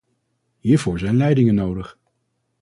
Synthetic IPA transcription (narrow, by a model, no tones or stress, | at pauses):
ɦiːɹvʊːɹzɛjnlɛjdɪŋənowdəχ